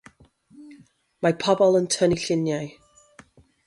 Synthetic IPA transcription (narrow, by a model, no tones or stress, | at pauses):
mapʰɔbɔlˠəntʰəniɬɪnjaj